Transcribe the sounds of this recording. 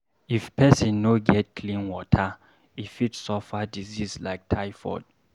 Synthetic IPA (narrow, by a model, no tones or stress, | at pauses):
ifpʰɛsĩnːoɡɛt̚kʰlĩnwɔtʰə | ifitsofadizizlajk̚tʰajfɔ̰d̥̚